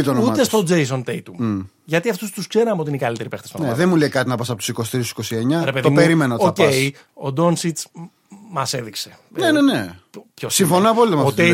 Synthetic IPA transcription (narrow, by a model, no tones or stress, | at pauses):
it̪onut̪est̪o̞d͡ze̞jso̞nt̪ejt̪u | ʝɐt̪iɐft̪ust̪uskse̞ɾɐmot̪inikɐlit̪e̞ɾipext̪est̪oneɐðenmulekɐt̪inɐpɐs̬ɐpot̪u̥si̥kosi̥t̪ɾist̪usiko̞sie̞ɲɐɾepe̞ðoimpeɾimenotocei | o̞d̪o̞nsit͡s | mɐse̞ðikse̞ | nenenepçosiɱfo̞noɐpolit̪omɐot̪e